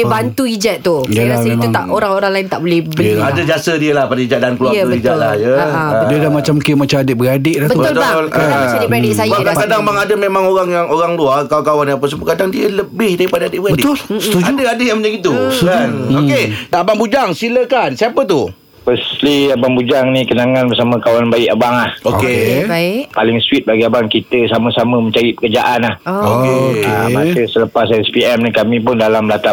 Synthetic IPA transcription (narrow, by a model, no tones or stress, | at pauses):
bant̪uid͡ʒat̪̚ːujlaasəimuŋt̪a̰ʔoɾaŋoɾaŋlaɪnt̪aʔbolɛbiadad͡ʒasədiəlahpadaid͡ʒat̪ʔ̚dankluarəid͡ʒalajəadiədamat͡ʃamkimat͡ʃamadɪʔ̚bəadɪʔlahtbt̪ub̪ʊt̪ladipɾedɪʔsajbakakadaŋbaŋadəmemãŋoɾaŋjaŋoɾaŋluarkakawanjapəs̬əbəkadaŋdiələbɪhdaɣipadaadɪʔbəɣabədɪt̪ʊlst̪ud͡ʒudəadɪʔjaŋməd͡ʒaɡit̪uskanokedaʔbaŋbud͡ʒaŋsiləkansiapət̪u | pəsliabaŋbud͡ʒaŋnikənaŋãnbəsamə̃kawanbaɪʔabaŋahoke | palɪŋswit̪̚baɡiabaŋkit̪əsaməsaməməɲt͡ʃaɾipə̥kərd͡ʒaʔanlahokeamasəsələpasɛspiɛmnikamĩp̬ʊndalamblat̪a